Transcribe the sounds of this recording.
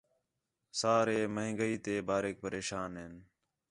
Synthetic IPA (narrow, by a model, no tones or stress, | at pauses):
saːɾeːməɦɪ̃ŋɡəiːt̪eːbaːɾeːk̚pəɾeːʃaːnɦɪn